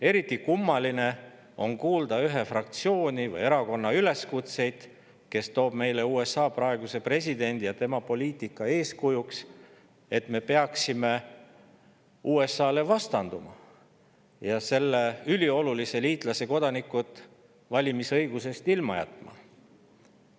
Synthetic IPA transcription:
e̞ɾit̪ːˑikumːɑline̞ | o̞̰ŋkuːld̪̥ɑyɦe̞frɑk̚t̪sio̞ːnʲivɯ̰je̞ɾɑko̞nːɑyle̞skut̪se̞jd̪̥ | ke̞st̪o̞ːb̥me̞jle̞uːe̞sɑːprɑe̞ɡ̥use̞pre̞s̬ʲid̪e̞nʲd̪̥ijɑt̪e̞mɑpo̞liːt̪ˑikːˑɑe̞ːskujuks | e̞t̪me̞pe̞ɑksime̞ | ʔuːe̞sːɑːle̞vɑst̪ɑnd̪̥umɑ̰ | jɑse̞lːeylʲio̞lulise̞liːt̪ˑlɑse̞ko̞d̪̥ɑnikːut̪ˑ | vɑlʲimisɤ̞jɡ̥use̞st̪ilmɑjæ̰t̪ːˑmɑ̰

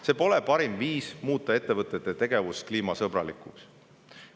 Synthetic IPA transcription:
se̞po̞le̞pɑɾimviːsmuːt̪ːˑɑe̞t̪ːe̞vɤt̪ːˑe̞t̪ːˑet̪e̞ɡ̥e̞vuskliːmɑsɤbrɑlikˑuks

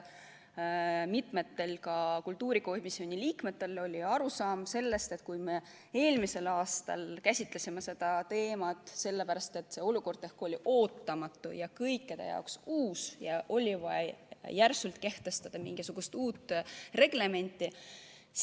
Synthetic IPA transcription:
mit̪me̞t̪ːe̞lkɑkult̪ːuːɾiko̞misio̞nʲiliːkmet̪ːˑe̞lo̞lʲiɑɾusɑːmse̞lːe̞st̪e̞t̪kujme̞ | e̞ːlmise̞lɑːst̪ɑ̰lkæsʲit̪ˑle̞sʲimese̞d̪̥ɑt̪e̞ːmɑt̪ːˑse̞lːepæɾɑst̪e̞t̪ːse̞o̞luko̞rd̪̥ehko̞lʲiʔo̞ːt̪ːɑmɑt̪ˑːṵjɑkɤjkːed̪̥ḛjɑ̰oksuːsjɑʔo̞lʲivɑjærsult̪ke̞ht̪e̞st̪ɑd̪̥ɑmiŋɡ̥isuɡ̥ust̪uːt̪ːre̞ɡ̥le̞me̞nʲt̪ˑːi

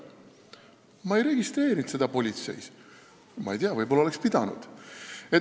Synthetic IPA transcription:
mɑe̞jɾe̞ɡist̪re̞ːɾind̪se̞d̪̥ɑpo̞lʲit̪se̞̰js | mɑ̰ejt̪eɑvɤ̞jbo̞lɑolekspid̪̥ɑnṵd̪̥e

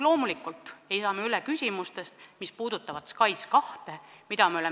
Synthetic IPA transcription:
lo̞ːmulikːˑult̪ˑe̞jsɑːmeylɛkysʲimust̪e̞st̪mispuːd̪ut̪ːˑɑvɑt̪skɑjskɑht̪e̞mid̪ɑmeole

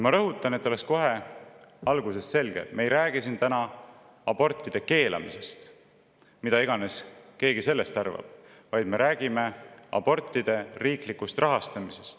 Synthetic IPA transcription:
mɑɾɤɦut̪ːˑɑne̞t̪ːˑo̞le̞ksko̞ɦe̞ | ɑlɡ̥use̞sse̞lɡ̥ḛmeejɾæːɡ̥isint̪ænɑ | ɑbo̞rt̪ˑːid̪̥e̞ke̞ːlʔɑ̰mḭse̞st̪ | mid̪ɑiɡ̥ɑne̞ske̞ːɡ̥ise̞lːe̞st̪ɑrvɑ̰b̥̚ | vɑjd̪̥me̞ɾæːɡ̥ime̞ɑ̰b̥o̞rt̪ːˑid̪̥e̞riːklikːust̪rʔɑɦɑst̪ɑmise̞st̪

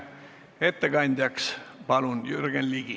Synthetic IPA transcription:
e̞t̪ːekɑnʲd̪̥ʲjɑkspɑlunjyrɡ̥enliɡ̥i

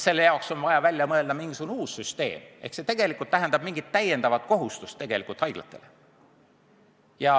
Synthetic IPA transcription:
se̞lːe̞jɑˑokso̞nvɑjɑvælʲjɑmɤe̞ld̪̥ɑmiŋɡisuɡunuːsːyst̪e̞̰ːmʔehkset̪e̞ɡ̥e̞likːˑult̪ːæɦend̪̥ɑb̥miŋɡ̥it̪ːæjend̪̥ɑvɑt̪ko̞ɦust̪ust̪ːeɡ̥e̞likult̪hɑjɡ̥lɑ̰t̪ːˑe̞̰le | jɑ

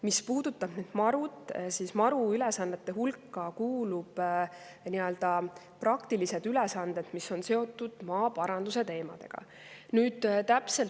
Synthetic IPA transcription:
mispuːd̪̥ut̪ːˑɑb̥ned̪̥mɑɾud̪siːsmɑɾuylesɑnːe̞t̪ːˑe̞ɦulkːɑkuːlub̥ | niø̞ld̪ɑ | prɑkt̪ilise̞d̪ylesɑnd̪e̞d̪̥miso̞nse̞o̞t̪ːˑud̪̥mɑːpɑɾɑnd̪̥use̞t̪e̞ːmɑ̰d̪̥e̞̰ɡ̥ɑ̰ | nyːd̪̥t̪æpse̞l

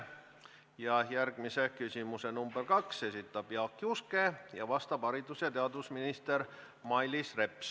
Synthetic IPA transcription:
jɑjærɡ̥mise̞kysʲimuse̞numberkɑkse̞sit̪ːˑɑb̥jɑkːˑiuske̞jɑvɑst̪ɑb̥ɑɾid̪usjɑt̪eɑd̪vusminist̪eɾ | mɑjlisre̞ps

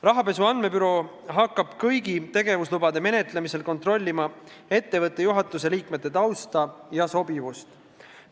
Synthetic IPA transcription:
rɑɦɑpe̞suɑnme̞pyɾo̞ | ɦɑkːɑb̥kɤjɡit̪e̞ɡe̞vuslubɑd̪e̞me̞ne̞t̪ˑle̞mise̞lko̞nt̪ro̞lʲːimɑe̞t̪ːe̞vɤt̪ːˑejuɦɑt̪ˑːuse̞liːkmet̪ːˑe̞t̪ɑwst̪ɑjɑso̞bivust̪

